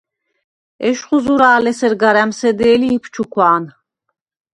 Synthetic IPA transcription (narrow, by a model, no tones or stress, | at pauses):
ɛʃχuzuɾaːlɛsɛɾɡaɾæmsɛd̪ɛːliːpʰt͡ʃʰukʰwaːn